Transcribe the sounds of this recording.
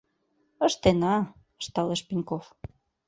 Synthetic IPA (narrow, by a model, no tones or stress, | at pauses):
ə̆ʃt̪enɑ | əʃt̪ɑleʃpinʲkof